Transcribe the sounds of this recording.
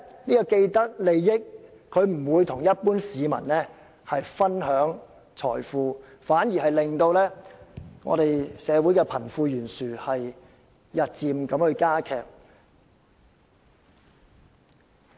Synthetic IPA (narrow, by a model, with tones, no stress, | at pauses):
niː˥kɔ˧ke˧jt̪ɐ˥k̚le˨jːɪ˥k̚ʰ | ɵ˨˧ɥm̩˨˩wuː˨˧jt̪ʰʊ˨˩ŋjɐ˥t̚puː˥nsiː˨˧mɐ̰˨˩nlɛː˥ | hɐ˨jfɐ˥nɦœː˨˥ŋ | t͡ʃʰɔ̰ː˨˩jfuː˧ | faː˨˥njiː˨˩hɐ˨jlɪ˨ŋt̪o˧wlɛː˥ŋɔ̰˨˧ɾe˨jsɛː˨˧wuː˨˥jkɛː˧pʰɐ˨˩nfuː˧jyː˨˩nsyː˨hɐ˨jː | ɐ˨t̚t͡siː˧mkɐ˨˥mhɵ˨˧ɥkaː˥kʰɛː˨˧k̚